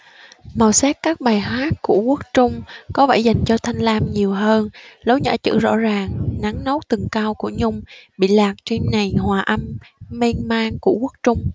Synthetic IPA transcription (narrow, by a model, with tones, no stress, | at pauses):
ma˨˩wsɛː˦˥t̚kaː˦˥k̚ɓaː˨˩jɦwaː˦˥t̚ku˧˩əku˦˥ək̚t͡ɕʊ˧ŋ͡mkɔ˨˦vaː˧˩jza˨˩jŋ̟t͡ɕɔ˧t̪ʰa˧jŋ̟laː˧mɲi˨˩əwɦəː˧nlə˨˦wɲə̰ː˧˥˩t͡ɕɨ̰˧˥zɔ̰˧˥zaː˨˩ŋna˨˦ŋnəo˨˦˥w̚t̪ɨ˨˩ŋkaː˧wku˧˩əɲʊ˧ŋ͡mɓḭ˧˨laː˨˩k̚t͡ɕe˧nna˨˩jhwaː˨˩ʔa˧mme˧ŋmaː˧ŋku˧˩əku˦˥ək̚t͡ɕʊ˧ŋ͡m